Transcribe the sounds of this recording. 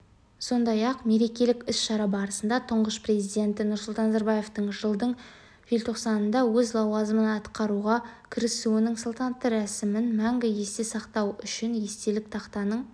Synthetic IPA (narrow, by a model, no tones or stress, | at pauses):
so̞nd̪ɑjɑqme̞ɾe̞kʲe̞lɪkʲʏsʃɑɾɑbɑɾəsənd̪ɑt̪ʰʊɴʁəspre̞zijd̪ʲe̞nt̪ɪnʊɾsʊlˠt̪ɑnɑzɑɾbaje̞ft̪əɴʒəlˠd̪əɴ | ʒilʲt̪ʰo̞qsɑnənd̪ɑwɵzlˠɑwɑzəmənɑt̪qɑɾuʁɑkʲʰɪɾɪsuɪnɪŋsolˠt̪ʰɑnɑt̪ːəɾæsɪmɪnmæŋɡʲɪje̞st̪esɑqt̪ɑwʏʃɪnje̞st̪e̞lɪk̚t̪ʰɑqt̪ɑnəɴ